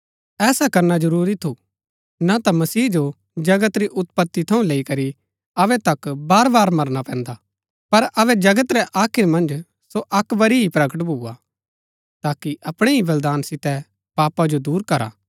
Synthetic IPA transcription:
ɛːsakɐɾnad͡ʒɐɾuːɾit̪ʰu | nat̪amɐsiːd͡ʒo | d͡ʒɐɡət̪ɾiʔʊt̪pət̪ːit̪ʰɐũleːikɐɾi | ɐʋɛt̪ɐkbaːɾbaːɾmɐɾnapɛ̃ːnd̪a | pɐɾɐʋɛd͡ʒɐɡət̪ɾɛʔaːkʰɪɾmɐ̃nd͡ʒ | soʔɐkʋɐɾiɦipɾɐɡəʈ̬bʱua | t̪aːkiʔɐpɽ̃eɦiʋɐld̪aːnsɪt̪ɛ | paːpad͡ʒod̪uːɾkɐɾa̰ː

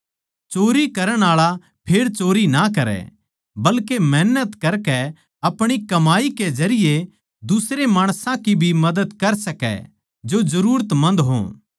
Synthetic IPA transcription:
t͡ʃoːɾikɐɾəɽ̃aːɭa | pʰeːɾt͡ʃoːɾinak̬ɐɾɛ̰ | bɐlkemɛːnət̪kɐɾkɛ | ɐpɽ̃ikɐmaːiked͡ʒɐɾɪje | d̪ʊsɾemaːɽ̃sãkibʱimɐd̪əd̪kɐɾsɐkɛ̰ | d͡ʒozɐɾuːɾət̪mɐ̃nd̪ɦõ̰ː

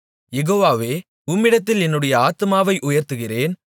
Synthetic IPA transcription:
jɛɣoːʋaːʋeː | ʊmːɪɽɐt̪ːɪlɛnːɯɽɐjɐaːt̪ɯmaːʋɐɪʔʊjɐɾt̪ɯɣɪreːn

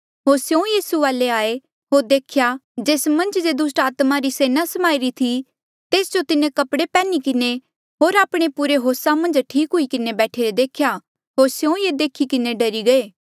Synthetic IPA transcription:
ɦoːɾsjõjiːsuʋaːleaːe | ɦoːɾd̪eːkʰjad͡ʒeːsmɐ̃nd͡ʒd͡ʒeːd̪ʊs̬ʈaːt̪maɾiseːnasɐmaːiɾit̪ʰi | t̪eːsd͡ʒot̪ɪnẽkɐpɽepɛːnikɪne | ɦoːɾaːpɽ̃epuɾeɦoːsamɐ̃nd͡ʒʈʰiːkɦʊikɪnebɛːʈʰeːɾed̪eːkʰja | ɦoːɾsjõjed̪eːkʰikɪneɖɐɾiɡɐeː

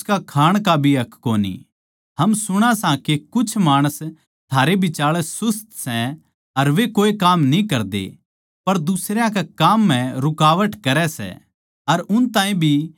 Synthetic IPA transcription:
kakʰaːɽ̃kabʱiɐkʰːoːnḭ | hɐmsʊɽ̃asãkekʊt͡ʃʰmaːɽ̃əs | t̪ʰaːɾebʱɪt͡ʃaːɭɛsʊst̪sɛ | ɐɾʋekoːekaːmnĩkɐɾd̪ḛ | pɐɾd̪ʊsɾjãk̬akaːmːɛ̃ɾʊkaːʋəʈkɐɾɛsɛ̰ | ɐɾʊnt̪ãːĩbʱi

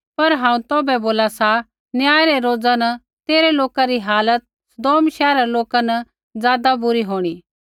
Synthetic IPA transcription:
pɐɾɦãːũt̪oːbɛboːlasa | njaːjɾɛɾoːd͡zanɐ | t̪eːɾɛloːkaɾiɦaːlət̪̚sɐd̪oːmʃɛːɾaloːkanɐ | d͡zjaːd̪abʊɾiɦoːɽ̃iː

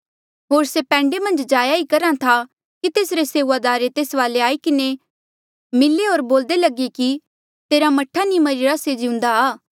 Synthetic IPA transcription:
ɦoːɾsepɛ̃ːɳɖemɐ̃nd͡ʒd͡ʒaːjaikɐɾãt̪ʰa | kit̪eːsɾeseːuʋad̪aːɾet̪eːsʋaːleaːikɪne | mɪlːeɦoːɾboːld̪elɐɡeki | t̪eːɾamɐʈʰːanĩmɐɾiɾased͡ʒɪʊ̃nd̪aaː

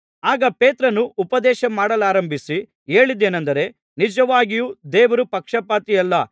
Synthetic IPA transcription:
aːɡɐpeːt̪ɾɐnːuːpɐd̪ɛːʃɐmaːɽɐlaːɾɐmbʱisi | eːɭid̪ːeːnɐnd̪ɐɾe̞ | nid͡ʒɐʋaːɡijud̪eːʋɐɾupɐkʂɐpaːt̪ijɐlːɐ

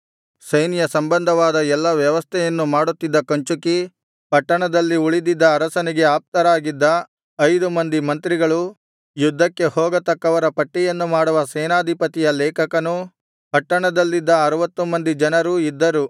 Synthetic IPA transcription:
sɐjnijɐsɐmbɐnd̪ʱɐʋaːd̪ɐɛlːɐʋjɐʋɐst̪ʰɛjɐnːumaːɽut̪ːid̪ːɐkɐɲt͡ʃuki | pɐʈːɐɳɐd̪ɐlːiuɭid̪id̪ːɐːɾɐsɐniɡe̞aːp̚t̪ɐɾaːɡid̪ːɐ | ɐjd̪umɐnd̪imɐnt̪ɾiɡɐɭu | jud̪ʱːɐkːe̞hɔːɡɐt̪ɐkːɐʋɐɾɐpɐʈːɛjɐnːumaːɽuʋɐsɛːnaːd̪ʱipɐt̪ijɐlɛːkʰɐkɐnu | pɐʈːɐɳɐd̪ɐlːid̪ːɐːɾɐʋɐt̪ːumɐnd̪id͡ʒɐnɐɾuid̪ːɐɾu

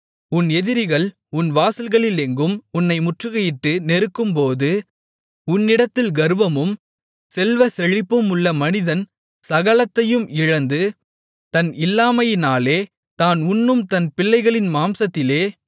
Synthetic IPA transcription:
ʊnɛðɪɾɪɣɐɭ | ʊnʋaːsɪlɣɐɭɪlɛŋɡɯmʊnːɐɪmʊʈrɯɣɐjɪʈːɯnɛɾɯkːɯmpoːðɯ | ʊnːɪɽɐt̪ːɪlɡɐɾɯʋɐmɯm | sɛlʋɐsɛɻɪpːɯmʊɭːɐmɐnɪðɐn | sɐɣɐlɐt̪ːɐjɯmɪɻɐnd̪ɯ | t̪ɐnɪlːaːmɐjɪnaːleː | t̪aːnʊnːɯmt̪ɐnpɪlːɐɪɣɐɭɪnmaːmsɐt̪ːɪleː

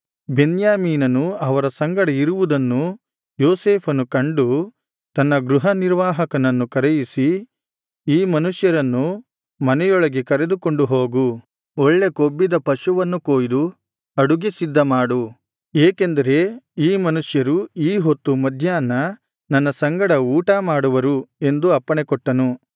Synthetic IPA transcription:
be̞njaːmiːnɐnuɐʋɐɾɐsɐŋɡɐɽeiɾuʋud̪ɐnːu | joːseːpʰɐnukɐɳɖu | t̪ɐnːɐɡɾuɦɐniɾʋaːɦɐkɐnɐnːukɐɾejisi | iːmɐnuʂjɐɾɐnːu | mɐnɛjɔɭɐɡekɐɾe̞d̪uko̞ɳɖuɦo̞ːɡu | ɔɭːe̞kobːid̪ɐpɐʃuʋɐnːukoːjd̪u | ɐɽuɡesid̪ːɐmaːɽu | eːkend̪ɐɾe̞iːmɐnuʂjɐɾuiːɦo̞t̪ːumɐd̪ʱjaːnːɐ | nɐnːɐsɐŋɡɐɽɐuːʈɐmaːɽuʋɐɾue̞nd̪uɐpːɐɳekɔʈːɐnu

